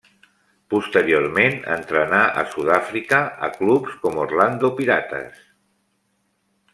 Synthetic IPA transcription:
pust̪əɾioɾmenə̰nt̪ɾənaʔə̰suðafɾikəə̰klupskɔmorland̪upiɾat̪ə̰s

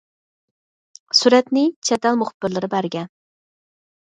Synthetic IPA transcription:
suɾɛt̪nɪt͡ʃʰɛt̪ʰælˠmʊχʊb̥ːɪɾlˠɪɾɪbæɾɡʲɛn

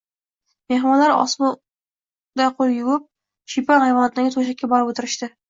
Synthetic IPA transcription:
mehmɒnlaɾɒ̰smu | d̪aqʰolˠjʊwɪp̚ | ʃipanhajvɒnat̪ɪnaɡʲɪt̪ʰoʃ̬akʲːabɒɾɪpot̪ʰɪɾɪʃt̪ɪ

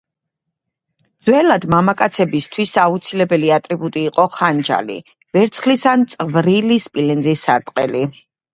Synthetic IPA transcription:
d̪zwɛlad̪mamakʼat̪sʰɛbist̪ʰwisaut̪sʰilɛbɛliat̪ʼɾibut̪ʼiːqʼɔχand͡ʒa̰lḭ | vɛɾt̪sʰχlisant̪sʼvɾilispʼilɛnzisːaɾt̪ʼqʼɛ̰li

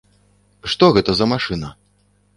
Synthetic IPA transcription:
ʂt̪ɔɣɛt̪ɐzɐmaʂɨnɐ

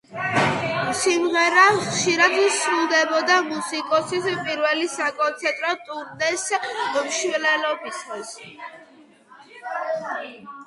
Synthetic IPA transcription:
simʁɛɾaχʃiɾad̪isɾulˠd̪ɛbɔd̪amusikʼɔsispʼiɾvɛlisakʼɔnt̪sʰɛnt̪ʼɾɔt̪ʼuɾnɛsmʃwlɛlɔbisʰis

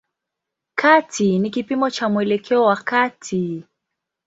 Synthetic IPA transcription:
kʰatʰinikipimɔt͡ʃamuɛlɛkʰɛɔwakatʰi

